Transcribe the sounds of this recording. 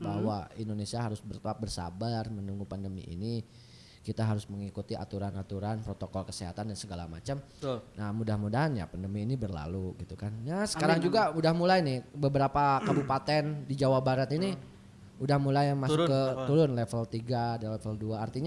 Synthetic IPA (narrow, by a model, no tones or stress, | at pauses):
baɦwaindonesiaɦaɾʊsbərt̪oap̚bərsa̰barmənuŋɡupandəmḭʔḭni | kit̪aɦaɾʊsməŋikut̪iʔa̰t̪uɾanat̪uɾanpɾot̪okɔlkəseɦa̰t̪andansəɡala̰ma̰t͡ʃam | namudahmudaɦanja̰pandəmiːnibərla̰luɡit̪ukanjasə̥kaɾaŋd͡ʒuɡamudahmulajnɪhbəbəɾapakabupat̪ɛndid͡ʒawabaɾat̪ini | udahmulajmasʊkət̪uɾʊnlɛfəlt̪iɡadalɛfəlduaːrt̪iɲa